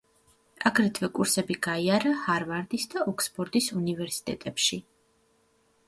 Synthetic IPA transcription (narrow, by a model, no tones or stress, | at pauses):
aɡɾɛt̪ʰvɛkʼuɾsɛbiɡaiaɾahaɾvaɾd̪isd̪aʔɔkʰsbʼɔɾd̪isunivɛɾsi̥t̪ʼɛ̰t̪ʼɛpʃi